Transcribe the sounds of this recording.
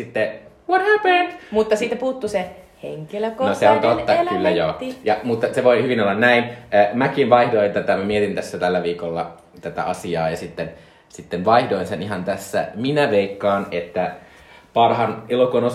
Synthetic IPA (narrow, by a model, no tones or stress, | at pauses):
sit̪ːe | ʋot̪hæpənd̥mut̪ːɑsit̪ːæpuːt̪ːuse | heŋkeløkonoseont̪ot̪ːɑkylːæjoːjɑmut̪ːɑseʋoihyʋinolːɑnnæinːmækinʋɑihdoint̪æt̪æmæmiet̪int̪æsːæt̪ælːæʋiːkolːɑ | t̪æt̪æ̰ʔɑsiɑːjɑsit̪ːen | sit̪ːenʋɑihdoinseniɦɑnt̪æsːæ̰minæʋeikːɑːnet̪ːæ | pɑrhɑnelokuno